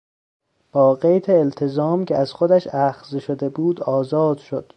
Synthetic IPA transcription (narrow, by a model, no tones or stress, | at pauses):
b̥ɒːɢejt̪ʰeːlt̪ʰezɒːmcʰeæz̥xod̪æʃæxzeʃod̪e̞buːd̪ɒːzɒːd̪̥ʃod̪̥